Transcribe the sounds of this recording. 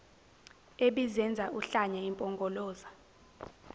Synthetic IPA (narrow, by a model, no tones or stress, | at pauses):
eɓizɛnd͡zʱaʔuɬaɲɛimpʼɔŋɡʱɔlɔːza